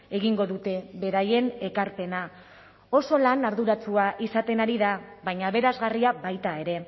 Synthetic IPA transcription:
e̞ɣ̞iŋɡo̞ðut̪e̞βe̞ɾaje̞ne̞kaɾpe̞na | o̞so̞lanaɾðuɾat͡suaʔisat̪e̞naɾiðaβaɲaβe̞ɾazɣariaβajt̪ae̞ɾe̞

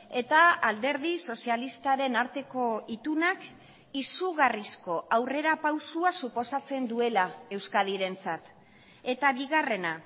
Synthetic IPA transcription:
e̞t̪aːld̪e̞ɾð̞iso̞sialist̪aɾe̞naɾt̪e̞ko̞it̪unak | isuɣarisko̞ʔawre̞ɾapawsuasupo̞sat͡se̞nd̪ue̞lae̞wskaðiɾe̞nt͡sat̪ | e̞t̪aβiɣare̞na

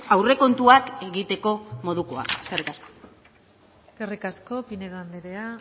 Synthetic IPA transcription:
awre̞ko̞nt̪uake̞ɣit̪e̞ko̞mo̞ðuko̞a̰e̥ske̞rikasko̥ | eske̞rikasko̞pineðand̪eɾea

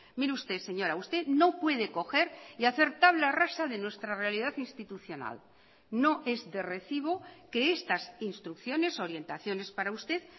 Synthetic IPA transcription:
miɾeust̪e̞se̞ɲo̞ɾaust̪e̞ðno̞pwe̞ð̞e̞ko̞xe̞ɾiaθe̞ɾt̪aβ̞larasaðe̞nwe̞st̪ɾare̞alið̞aθinst̪it̪uθjo̞na̰l | no̞ʔe̞zðe̞re̞θiβ̞o̞ke̞est̪asinst̪ɾukθjo̞ne̞so̞ɾje̞nt̪aθjo̞ne̞spaɾaust̪e̞ð

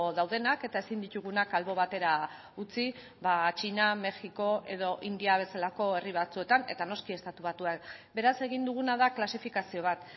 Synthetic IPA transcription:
ðawðe̞nake̞t̪aesind̪it̪uɣ̞unakalβo̞β̞at̪e̞ɾa | ut͡si | βat͡ʃiname̞xiko̞ʔe̞ð̞o̞ʔind̪iaβ̞e̞salako̞e̞riβ̞at͡sue̞t̪ane̞̰t̪ano̞skie̞st̪at̪uβ̞at̪uakbe̞ɾase̞ɣ̞ind̪uɣ̞unaðaklasifikasio̞β̞at̪

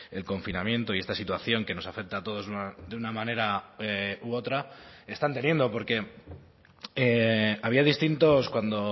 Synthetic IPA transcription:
e̞lko̞ɱfinamje̞nt̪o̞ie̞st̪asit̪waθjo̞ŋke̞no̞safe̞k̚t̪aːt̪o̞ð̞o̞zðuad̪eunamãne̞ɾaeuo̞t̪ɾae̞st̪ant̪e̞nje̞nd̪o̞po̞ɾke̞ | eaβ̞iaðist̪int̪o̞skwand̪o̞

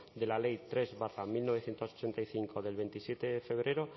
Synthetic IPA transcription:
d̪e̞lale̞jt̪ɾe̞zβaramilno̞β̞e̞θje̞nt̪osot͡ʃe̞nt̪ajθiŋko̞ðe̞lβe̞nt̪isje̞t̪eefe̞β̞ɾe̞ɾo̞

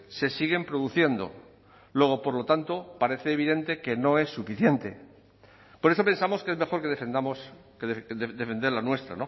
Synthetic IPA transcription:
se̞siɣ̞e̞mpɾo̞ðuθje̞nd̪o̞̰ | lwe̞ɣ̞opo̞ɾlo̞t̪ant̪opaɾe̞θeːβ̞iðe̞nt̪e̞ke̞no̞e̞sːufiθje̞nt̪e̞ | poɾe̞so̞pe̞nsamo̞skee̞zme̞xo̞ɾke̞ð̞efend̪amos | keððed̪efe̞nd̪eɾlanwe̞st̪ɾa̰no̞

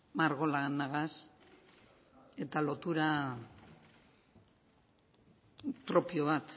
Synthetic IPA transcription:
maɾɣo̞lanaɣas | e̞t̪alo̞t̪uɾa | pɾo̞pio̞βat̪

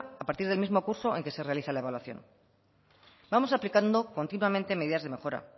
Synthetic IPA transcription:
apaɾt̪iɾð̞elmizmo̞kuɾso̞eŋke̞se̞realiθalaeβalwaθjo̞̰n | bamo̞saplikand̪o̞ko̞nt̪inwamẽ̞nt̪e̞meðiðazðe̞me̞xo̞ɾa̰

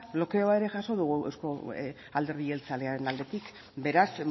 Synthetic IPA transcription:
blo̞ke̞oae̞ɾe̞ʝaso̞ðuɣ̞uḛwsko̞ | ald̪e̞ɾðie̞lt͡sale̞aɾe̞nald̪e̞t̪ik | be̞ɾas

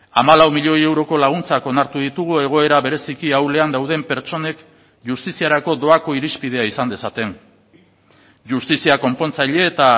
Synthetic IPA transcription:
amalawmiʎo̞je̞wɾo̞ko̞laɣ̞unt͡sako̞naɾt̪uð̞it̪uɣue̞ɣ̞o̞e̞ɾaβe̞ɾe̞sikiawle̞and̪awð̞e̞mpe̞ɾt͡ʃo̞ne̞k | ʝust̪isiaɾako̞ðo̞ako̞iɾispið̞e̞aisand̪e̞sat̪e̞n | ʝust̪isiako̞mpo̞nt͡sajʎe̞ːt̪a

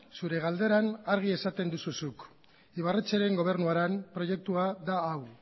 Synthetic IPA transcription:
suɾe̞ɣ̞ald̪e̞ɾanaɾɣ̞ie̞sat̪e̞nd̪ususuk | iβ̞aret͡seɾe̞ŋɡo̞β̞e̞ɾnuaɾampɾo̞je̞k̚t̪uaðaːw

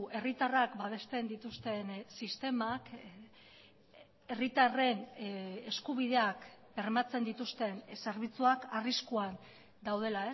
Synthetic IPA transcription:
ʔe̞rit̪arakbaβe̞st̪e̞nd̪it̪ust̪e̞nsist̪e̞mak | e̞rit̪are̞ne̞skuβ̞iðe̞akbe̞rmat͡se̞nd̪it̪ust̪e̞nse̞ɾβ̞it͡suakariskuan | d̪awð̞e̞lae

